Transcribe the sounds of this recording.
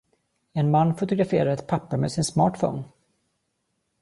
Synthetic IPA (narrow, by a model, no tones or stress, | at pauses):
ɛnmanːfʊt̪ʊɡɾafeːɾaɾɛt̪pʰapːamḛsɪnsmɑːʈfɔ̰n